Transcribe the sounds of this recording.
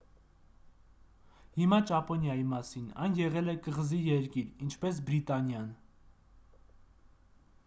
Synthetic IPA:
himɑt͡ʃɑpɔnjɑjimɑsinɑ̰jnjɛʁɛlɛkəʁzijɛɾkiɾint͡ʃʰpɛs̬bɾit̪ɑnjɑn

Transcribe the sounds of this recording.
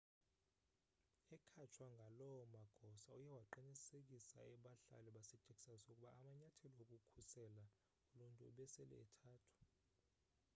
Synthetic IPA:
ɛkʰat͡ʃʰwaŋɡʱalɔmaɡ̥ʱɔsaujɛwaǃinisek̬ʼisa̰ɛɓaɬa̰lɛɓasɛt͡ʃʼekʼi̥sasokʼuɓaːmaɲatʰeliwokʼukʰusɛla | uluntʼṵːɓɛsɛlɛ̰ɛtʰaːtʰu̥

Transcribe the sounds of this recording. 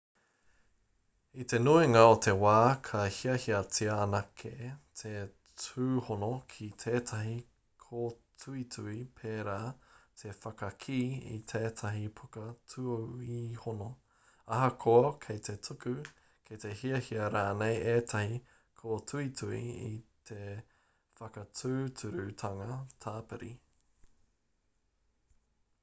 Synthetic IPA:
it̪e̞nuiŋɐot̪ʰe̞waːkʰɐhiɐhiɐt͡siɐːnɐkʰet̪ʰe | t͡sʰuːhonokʰitʰeːtʰɐɦi | kʰoːtʰuitʰuipʰeːɾaːt̪ʰe̞fɐkɐkʰiːḭtʰeːt̪ʰɐɦipʰukɐtʰuoihono | ɐɦɐkʰoɐkʰejt̪ʰe̞tʰukʉ | kʰet̪e̞hiɐhiɐɾaːnejeːtʰɐhi | kʰoːtʰuitʰuḭḭt̪ʰe | fɐkɐtʰʉːtʰʉɾʉt̪ʰɐŋɐtʰaːpɛ̰ɾi

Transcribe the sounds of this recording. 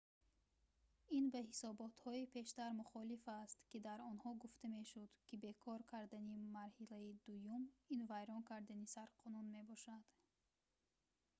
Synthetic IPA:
inbahisɔbɔt̪hɔipʰe̞ʃt̪aɾmuχɔlifast̪kid̪aɾɔnhɔɡuft̪ame̞ʃud̪kʰibe̞kʰɔɾkʰaɾd̪animaɾhilæid̪ujuminvajɾɔnkʰaɾd̪anisaɾqʰɔnunme̞bɔʃad̪̥

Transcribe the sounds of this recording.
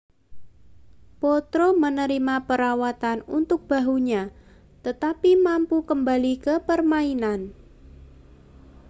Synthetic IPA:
pot̪ɾomənəɾimapəɾawat̪anṵnt̪ʊk̚b̥a̤ɦuɲa | t̪ət̪apimampukəmbalikəpərmainan

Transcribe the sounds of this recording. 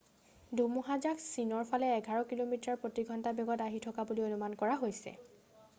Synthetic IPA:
dʱumuɦazaksinɔɹpʰalɛːɡʱaɹɔkilomitaɹpɹotiɡʱɔntabjɔɡɔtaɦitʰɔkabulionumankɔɹaɦojsɛ̰

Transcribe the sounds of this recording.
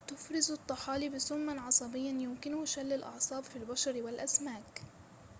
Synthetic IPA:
t̪ʊfɾɪzɑt̪ˤːɑħɑːlibɪsʊmːanʕɑsˤɑbɪjːanjʊmkɪnʊhʃalːɪlʔɑ̰ʕsˤɑːbfilbaʃɑɾwɪlʔasmaːk

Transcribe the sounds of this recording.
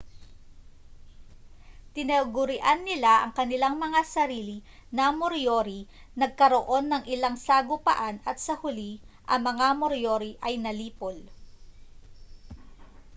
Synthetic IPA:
t̪ɪnɐɡʊɾɪʔanːɪlaʔɐ̰ŋkɐnɪlaŋmɐŋasɐɾiːlɪnɐmoɾjoɾi | nɐɡ̚kɐɾo̞ʔo̞nːɐŋʔɪlaŋsaɡʊpɐ̰ʔanɐt̪̚sɐhʊliʔɐŋmɐŋamoɾjoɾiʔɐjnɐliːpol

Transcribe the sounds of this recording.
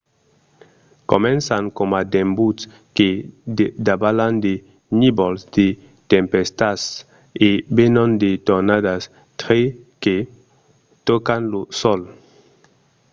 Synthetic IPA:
komɛ̃nsaŋkomad̪ẽmbut̪s | keded̪abaland̪e | nibɔlzd̪e | t̪ẽmpest̪as | ebenɔ̃nd̪et̪oɾnad̪as | t̪ɾeke | t̪ɔkanlusɔl

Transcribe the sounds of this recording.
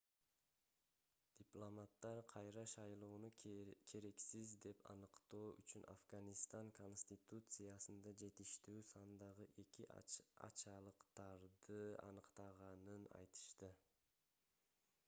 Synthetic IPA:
d̪̥ʲɪplˠomat̪ːɑɾqʰɑjɾɑʃɑjlˠoːnukʰe̞ɾe̞ksizd̪e̞pɑ̰nɯqt̪o̞ːʔyt͡ʃynʔa̰fɡɑnist̪ɑŋkʰo̞nsʲt̪ʲit̪ut̪sɨjasɯnd̪ɑd͡ʒe̞t̪iʃt̪yːsɑnd̪ɑʁɯʔe̞kiʔɑ̰t͡ʃɑlˠɯqt̪ɑɾd̪ɯɑ̰nɯqt̪ɑʁɑnɯnɑ̰jt̪ɯ̥ʃt̪ɯ

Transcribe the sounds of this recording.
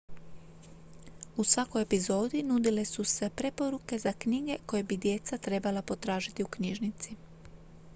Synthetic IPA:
usʋako̞jepizo̞ːd̪inud̪ile̞suse̞pɾe̞po̞ɾuke̞zakɲiɡe̞ko̞je̞bid̪je̞t̪sat̪ɾe̞balapo̞t̪ɾaːʒit̪iukɲiːʒnit̪si

